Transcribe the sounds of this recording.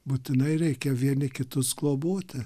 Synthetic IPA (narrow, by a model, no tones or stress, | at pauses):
buːt̪ʲɪnɐɪɾʲɛɪkʲɛʋʲiɛnʲɪkʲɪt̪ʊsɡlˠoːboːt̪ʲɪ